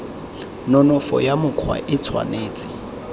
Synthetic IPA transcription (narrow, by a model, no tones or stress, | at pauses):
nɔnɔfɔ̰jamʊkʰwa̰ʔɪt͡sʰwa̰neːt͡sʼɪ̥